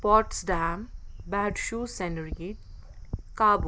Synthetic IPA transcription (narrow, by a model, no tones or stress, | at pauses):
pɔʈsɖambaʈʃusenɾiʈ | kaːb